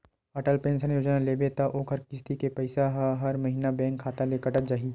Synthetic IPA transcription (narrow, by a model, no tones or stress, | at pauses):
ɐʈəlpẽːnsənjoːd͡ʒnaleːbet̪aʔoːkʰɐɾkɪst̪ikepɐɪsaɦɐɦɐɾmɐɦiːnabɛ̃ːŋkʰːaːt̪alekəʈəd͡ʒaːɦi